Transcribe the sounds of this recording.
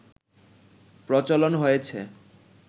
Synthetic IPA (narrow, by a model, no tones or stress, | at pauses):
pɾɔt͡ɕolonɦojet͡ɕʰe